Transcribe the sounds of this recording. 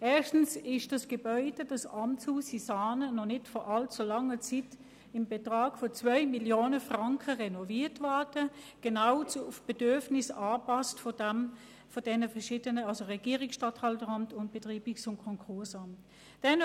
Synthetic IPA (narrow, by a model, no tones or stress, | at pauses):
ʔɛːɐʃtn̩sɪʃd̥ɑsɡ̥əbœʏdədɑsɑmt͡shuːsisaːnənɔnɪtfɔʔɑlt͡sulɑŋət͡sit | ɪmbətʁɑːɡ̥fɔt͡svœʏmiljoːnəfʁɑŋkʰəʁɛnɔviːɐtvɛɐdə | ɡ̥ənaʊt͡suʊfb̥edʏɐfnɪsɑːpɑstfɔdɛm | fod̥ɛnəfɛɐʃiːdənəɑlsoʁɛɡ̥iːʁɪksʃtɑthɑltəʁɑmtʊntb̥etʁiːbɪksʊnkʰɔŋkʰʊɐsɑmt | d̥ɛn